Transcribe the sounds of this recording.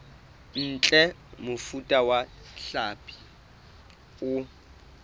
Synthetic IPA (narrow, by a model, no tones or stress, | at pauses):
n̩t͡ɬʼɛmʊfutʼawaɬapʼi̥ | ʊ